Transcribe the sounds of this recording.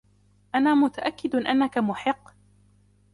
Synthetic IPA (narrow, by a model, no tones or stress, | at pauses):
ʔanaːmʊt̪aʔakːɪd̪ʔa̰nːakamʊħɪqː